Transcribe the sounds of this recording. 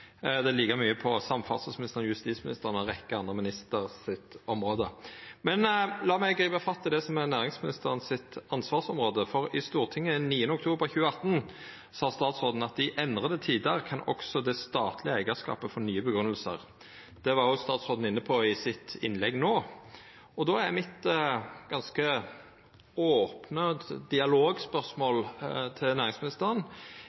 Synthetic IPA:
d̪ɛliːɡəmyːəpʰɔsɑmfɑ̰lsəsmɪnɪst̪əʁənjʉst̪iːt̪smɪnɪst̪əʁənɔʁɛkːəɑnd̪ʁəmɪnɪst̪əʁsɪt̪ɔmʁoːd̪əmɛnlɑːmæɪɡʁiːbəfɑt̪ʰːəd̪ɛsɔmɛnæːʁɪŋsmɪnɪst̪əʁənsɪt̪ɑnsʋɑːʁsɔmʁoːd̪əfɔʁɪst̪uːʁt̪ʰɪŋːəniːənəʊkt̪ʰuːbəʁçʉːəɑt̪ːn | sɑːst̪ɑːt̪sʁoːd̪n̩ɑt̪̚d̪ɪʔɛnd̪ʁəd̪ət̪ʰiːd̪əʁkʰɑnɔ̰ksɔd̪ɛst̪ɑːt̪ʰlɪəæɪɡəskɑ̰ːpəfɔnyːəbəɡɾʉnəlsə̰ʁ | d̪̥ɛʋɑɾjʊst̪ɑːt̪sʁoːd̪n̩ɪnːəpʰoɪsɪt̪ɪnlɛɡnoː | ɔd̪oːæmɪt̪ɡ̥ɑnskə | oːpnəd̪ɪɑloːɡspœsmoːlt̪ʰɪlnæːʁɪŋsmɪnɪst̪əʁən

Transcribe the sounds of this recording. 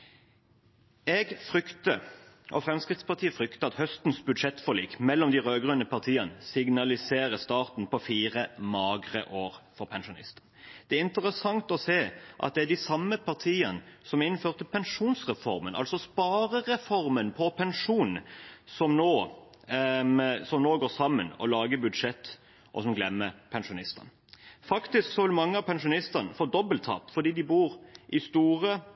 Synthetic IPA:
ɛɡfʁʏkt̪ə | ʔɔ̰fʁɛmskʁɪt̪spɑʁt̪ʰiːəfʁʏkt̪əɑt̪hœst̪n̩sbʉd̪ʂɛt̪ːfɔliːkmɛlːɔmd̪ɪʁøːɡʁʉnəpʰɑʁt̪ʰiːənəsɪɡnɑlɪseːʁəst̪ɑːʁt̪n̩pɔfiːʁəmɑːɡʁə̰ʔoːʁfɔʁpʰɛnʃʊnɪ̰st̪ənd̪̥ɛæɪnt̪əʁəsɑŋt̪ɔseːʔɑ̰t̪̚d̪ɛæd̪ɪsɑmːəpʰɑʁt̪ʰiːənsɔmæɾɪnːføːʁt̪ʰːəpʰɛnʂuːnsʁɛfɔ̰ɾmənʔɑ̰lsɔspɑːɾəʁɛfɔɾmənpʰɔpʰɛnʂuːnsɔmnoː | sɔmnoːɡoːsɑmːənɔ̰lɑːɡəbʉd̪ʂɛt̪ː | ʔɔsɔmɡlɛmːəpʰɛnʂʊnɪst̪ɑ̰n | fɑkt̪ɪsksɔʋɪlmɑŋːəɑpʰɛnʂʊnɪst̪ənəfoːd̪ɔbəlt̪ʰːɑ̰ːt̪fɔd̪iːd̪ɪbuːɾʔɪst̪uːʁə

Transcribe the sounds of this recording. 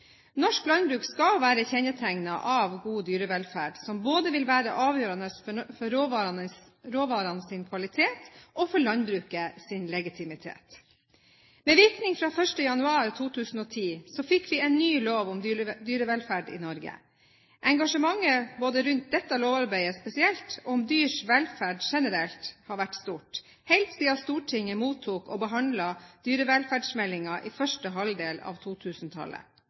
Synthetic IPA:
nɔʂklɑnbɾʉːkskɑlʋæːɾəçɛnət̪ʰæŋnɑʔɑʋɡuːd̪yːɾəʋɛlfæːɖsɔmboːd̪əʋɪlʋæːɾəʔɑːʋjøːɾɑnəsfɔɾːoːʋɑɾɑnə | ɾoːʋɑːɾɑnəsɪnkʰʋɑlɪt̪ʰeːt̪ɔfɔɭɑnbɾʉːkəsɪnlɛɡɪt̪ʰɪmɪt̪ʰḛːt̪ | mɛːʋɪɾknɪŋfɾɑːfœʂʈəjɑnʉɑːɾt̪ʰuːt̪ʰʉːsn̩ɔːt̪ʰiːsɔfɪkːʰʋɪɛɪnnːyːloːʋʊmd̪yːɾəʋɛlfæɖɪ̰nɔɾɡə̰ | ʔɛŋɡɑʂəmɑŋːəboːd̪əɾʉnt̪̚d̪ɛt̪ːəloːʋɑɾbæɪəspɛsɪɛlt̪ɔɔmd̪yːʂʋɛlfæːɖʃɛnəɾɛlt̪hɑːɾʋæʈːst̪uːʈ | hɛɪlt̪siːɑst̪uːʈʰɪŋːəmuːt̪ʰːuːkɔːbəɦɑnd̪lɑd̪̥yːɾəʋɛlfæːɖsmɛlɪŋɑʔiːfœʂʈəɦɑld̪eːlɑ̰ʋt̪ʰuːt̪ʰʉːsnt̪ʰɑ̰lə̰

